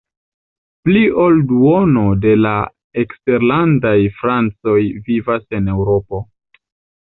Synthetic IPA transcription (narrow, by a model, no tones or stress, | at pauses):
plio̞lduo̞no̞de̞la | ekste̞ɾlandajfɾant͡so̞jvivase̞ne̞wɾo̞po̞